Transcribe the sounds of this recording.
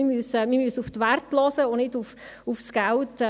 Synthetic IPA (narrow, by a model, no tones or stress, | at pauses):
imysmimysuftʋærtlɔsəonɪduf | ufsɡ̥ælt